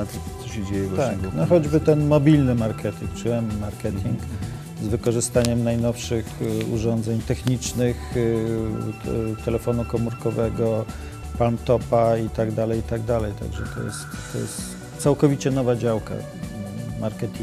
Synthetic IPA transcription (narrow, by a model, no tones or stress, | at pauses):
t̪sɔɕɛd͡ʑejɛɡt̪anɔxɔd͡ʑbɘt̪ɛnmɔbʲilnɘmaɾkʰɛt̪ʲḭŋk̚t͡ʂɘɛnːmaɾkɛt̪ʲʰiŋk | zvɘkɔʐɘst̪aɲɛmnajnɔfʂɘxṵʐɔnd̪zɛɲt̪ɛxɲit͡ʂnɘx | t̪ɛlɛfɔnukɔmuɾkɔvɛɡɔ | palmt̪ɔpait̪aɡd̪alɛjit̪aɡd̪alɛjt̪a̰ɡʐɛ̰t̪ɔ̰jɛ̰st̪ːɔ̰jɛ̰st̪ | sawkɔvʲit͡ɕɛnɔvad͡ʑawka̰ | maɾkɛt̪ʲi